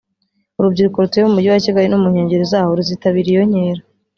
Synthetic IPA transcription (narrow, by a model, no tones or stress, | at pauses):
uɾub̚ɟiɾukoɾuteeumuɟiwaciɡaɾinumuɲe̞ːɲɟe̞ɾezaːhoɾuziːtaβiɾijo̞ɲeːɾa